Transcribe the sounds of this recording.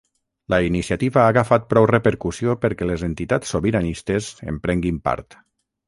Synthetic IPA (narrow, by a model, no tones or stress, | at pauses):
ləinisiat̪iβaːɣafat̪̚pɾɔwrepəɾkusiopəɾkɛlezent̪it̪at͡sːoβiɾanist̪ezḛmpɾɛŋɡimpa̰ɾt̪